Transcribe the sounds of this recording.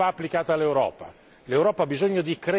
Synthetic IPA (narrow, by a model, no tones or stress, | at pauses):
aːpːlikaːt̪alːewɾɔ̰ːpa̰ | lewɾɔːpaːbizoɲːod̪ikɾe